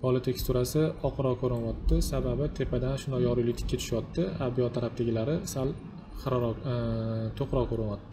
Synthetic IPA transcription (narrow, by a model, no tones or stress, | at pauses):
pʰɒlˠɪt̪ʰe̞kst̪uɾasɪɒqʰɾɒkʰɵɾɪnwɒt̪ːɪsababɪt̪ʰe̞pʰad̪anʃʊnɒjɒɾujlɪk̚ʲt̪ʰɪ̥kʲːat̪ʰʊ̥ʃaɒt̪ːɪabijɒt̪ʰːaɾap̚t̪ʰeɡʲɪlaɾɪsal | χɾ | t̪ʰoqɾɒkʰoɾɪnɒt̪ːɪ̥